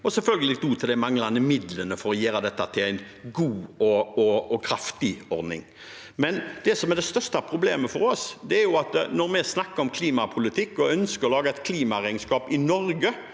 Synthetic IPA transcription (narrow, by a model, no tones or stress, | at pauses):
ɔsɛlfœlɡəlɪd̪uːt̪ʰɪld̪ɛmɑŋlɑnd̪əmɪd̪lənəfɔɾɔjæːɾəd̪ɛt̪ːɑt̪ʰɪlæɪn | ɡuːɔɔɔkʰɾɑft̪ɪɔɾd̪nɪ̰ŋ | mɛnd̪ɛsɔmæd̪ɛst̪œʁst̪ɑpʰɾʊbleːməfɔɾɔsd̪ɛæɾjʊɑt̪nɔɾmɛsnɑkːəɾɔmkʰliːmɑpʰʊlɪt̪ʰɪkːɔœnskəɾɔlɑːɡaɛɪt̪kʰliːmɑɾæɪɡnskɑːpɪnɔɾɡə